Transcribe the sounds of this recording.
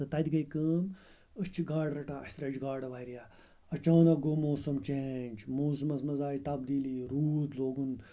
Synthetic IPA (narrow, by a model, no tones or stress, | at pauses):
t̪ɨt̪ɐd̪ʲɡɐikəːm | ət͡ʃʰiɡaːɖɾɐʈaːɐst̪ɾɐd͡ʒɡaːɖɐʋaiɾija | ɐt͡ʃãːnɐɡoːmoːsɐmt͡ʃeːnʲd͡ʒmoːs̬ɐmɐsmɐzaːit̪ɐb̚d̪iːliːɾuːd̪loːɡun